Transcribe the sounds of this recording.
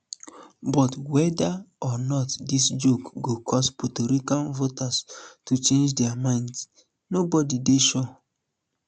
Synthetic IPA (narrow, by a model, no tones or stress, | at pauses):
bɔtwɛdaɔnɔtdisd͡ʒokɡokʰɔsputoɾikãnvotastut͡ʃẽnd͡ʒdɛamãɪ̃nds | nobɔdideʃɔ